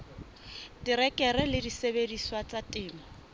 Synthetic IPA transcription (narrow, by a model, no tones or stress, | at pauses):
tiɾɛkɛɾɛlɪdisebediswat͡satʼɪːma